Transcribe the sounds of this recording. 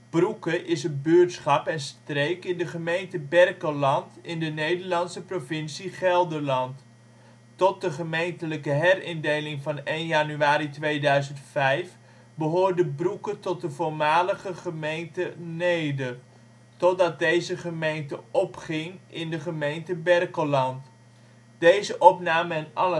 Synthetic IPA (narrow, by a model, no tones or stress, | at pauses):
b̥rukəʔɪsənbøɹtsχɑpɛnstrejkɪndəχəmejntəbɛrkəlɑntɪndənejdəɹlɑnsəprovɪnsiχɛlˠdəɹlɑnt | tɔt̚dəχəmejntələkəɦɛrɪndejlɪŋvɑnejnjanyaːɾitʋejdœɥzəntfɛjf | bəɦoːɹdəbrukətɔt̚dəvʊːɹmaːləχəχəmejntənejdə | tɔtdɑt̚dejzəχəmejntəɔpχɪŋɪndəχəmejntəbɛrkəlɑnt | d̥ejzəʔɔpnaːməɛnɑlə